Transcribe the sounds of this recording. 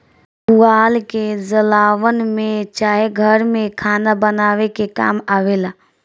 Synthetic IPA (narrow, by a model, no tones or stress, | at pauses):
uaːlked͡ʒəlaːʋənmẽt͡ʃaːɦeɡʱəɾmẽkʰaːnabənaːʋekeka̰ːmaʋela